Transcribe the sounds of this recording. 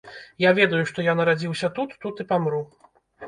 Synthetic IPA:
javʲɛd̪ɐjuʂt̪ɔjanɐɾad͡zʲiwsʲɐt̪ut̪ːut̪ɨpamɾu

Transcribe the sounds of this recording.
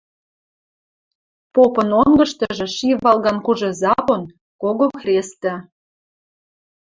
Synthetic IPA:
popɤnoŋɡə̆ʃt̪ɤʒĕʃiβɑlɣɑnkuʒĕzɑβon | koɣoxrʲest̪ə̆

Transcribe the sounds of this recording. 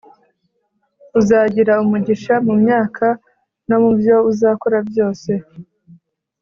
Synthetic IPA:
uzaːɟiɾaumuɟiʃamumɲaːkʰa | no̞mubjo̞uzaːkoɾabjo̞ːse̞

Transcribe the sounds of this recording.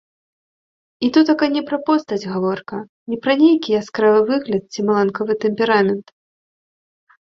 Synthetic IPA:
it̪ut̪akajnʲɛpɾɐpɔst̪ɐd͡zʲɣavɔrkɐ | nʲɛpɾɐnʲejkʲiaskɾavɨvɨɣlʲɐt̪̚t͡sʲimɐlˠankɐvɨt̪ɛmʲpʲɛɾamʲɛnt̪

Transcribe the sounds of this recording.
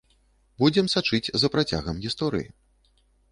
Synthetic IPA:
bud͡zʲɛmsat͡ʂɨt͡sʲzɐpɾat͡sʲa̰ɣɐmɣʲist̪ɔɾɨ̰jḭ

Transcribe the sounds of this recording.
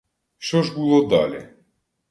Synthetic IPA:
ʃɔʒbɨlˠɔd̪a̰lʲɛ̰

